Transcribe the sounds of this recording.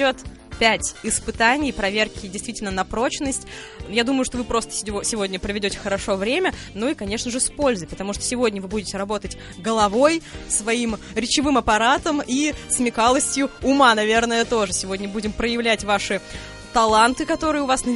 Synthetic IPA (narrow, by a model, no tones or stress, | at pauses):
ot̪ | pʲætʲɪspɨt̪anʲɪjpɾɐvʲerkʲɪdʲɪjst̪vʲitʲɪlʲnənɐpɾo̞t͡ɕnəsʲtʲ | jad̪uməjʊʂt̪ovɨpɾo̞st̪ə̥sʲsʲɪvo̞dʲnʲəpɾəvʲɪdʲotʲɪ̥xəɾɐʂo̞vɾʲemʲə | nuikɐnʲe̞ʂnəʐɨspo̞lʲzɨpət̪ɐmuʂt̪osʲɪvo̞dʲnʲəvɨbudʲɪtʲɪɾɐbo̞t̪ətʲ | ɡəlˠɐvo̞jsvɐim | ɾʲɪt͡ɕɪvɨmɐpɐɾat̪əmismʲɪkalˠəsʲtʲjʊʊmanɐvʲe̞rnəjət̪o̞ʐɨsʲɪvo̞dʲnʲəbudʲɪmpɾəjɪvlʲætʲvaʂɨ | t̪ɐlˠant̪ɨkɐt̪o̞ɾɨjəʊvasnə